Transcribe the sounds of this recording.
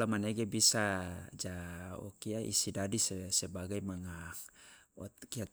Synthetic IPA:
amaneɡebisad͡ʒaɔ̰kiaʔḭsidadisesebaɡaimaŋa | ɔt̪kia

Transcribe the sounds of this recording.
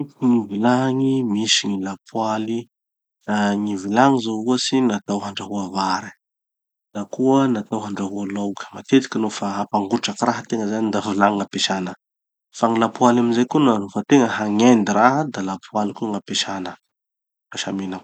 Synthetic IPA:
ŋivilaŋimisiŋilapʰwali | naŋivilaŋizouəsinat̪awɦaɳɖ͡ʐaɦuavaɾi̥ | nakuənat̪awɦaɳɖ͡ʐaɦualawkə̥mat̪et̪i̥kʲinofaɦapaŋɡuʈ͡ʂakiraɦt̪eŋəzanid̪avilaŋiŋapeʃanə | faŋilapualaminzejkunanofat̪eŋəɦaŋend̪iɾaɦəd̪alapualikuŋapeʃanə | kaʃamenaw

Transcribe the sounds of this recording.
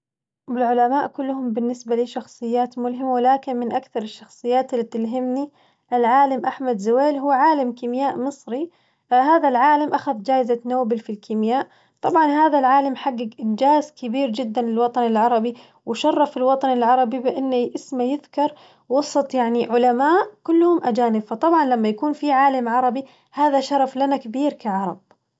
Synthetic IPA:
bɪlʕʊlamaːʔkʊlːhʊmbɪnːɪsbaliːʃɑxsˤɨjːaːt̪mʊlɦɪmawɪlaːkɪnmɪnʔakθɑɾˤɪʃːɑxsˤɨjːaːt̪ɪlːit̪ɪlɦɪmni | ʔɪlʕaːlamʔaħmad̪zʊweːlɦuːʕaːlamkimjaːʔmɨsˤɾi | haːðalʕaːlamʔaxaðd͡ʒaːʔɪzat̪nawːbɪlfilkimjaːʔ | t̪ˤɑbʕɑnhaːðalʕaːlamħaɡːaɡʔɪnd͡ʒaːzkɪbiːɾd͡ʒɪd̪ːanlɪlwɑt̪ˤɑnɪlʕɑɾˤɑbi | wɪʃɑrˤːɑfɪlwɑt̪ˤɑnɪlʕɑɾˤɑbibɪʔɪnːaʔɪsmajɪðkɑɾˤ | wɑsˤɨt̪ˤjaʕniʕʊlamaːʔkʊlːhʊmʔad͡ʒaːnɪbfɑt̪ˤɑbʕɑnlamːajakuːnfiʕaːlamʕɑɾˤɑbi | haːðaʃɑɾˤɑflanakɪbiːɾkaʕɑɾˤɑ̰b̥̚

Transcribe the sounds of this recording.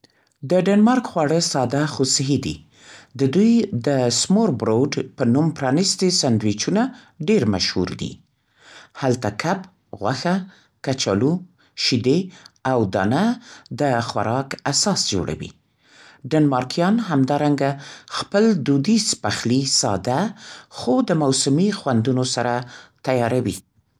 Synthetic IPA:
d̪əɖanmɑɾkxwɑɽəsɑd̪axosɪɦid̪ḭ | d̪əd̪ujd̪əsmoɾbɾoɖpənumpɾɑnist̪esand̪wit͡ʃuna | ɖeɾma̰ʃhṵɾd̪ḭ | halt̪akʰap | ɣwa̰xa | kat͡ʃa̰lu | ʃid̪eawd̪ɑ̰nad̪əxwa̰ɾɑkasɑsd͡ʒo̰ɽʔa̰wḭ | ɖanmɑɾkjɑnɦamd̪ɑɾaŋɡaxpəld̪ud̪ispaxlisɑ̰d̪axod̪əmawsʊmixwand̪unosaɾat̪ajɑɾawḭ

